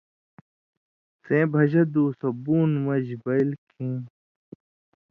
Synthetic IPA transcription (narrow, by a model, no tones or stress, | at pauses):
sẽːbʱɐʑɐd̪uːsɐbuːnmɐʑbɐilkʰẽː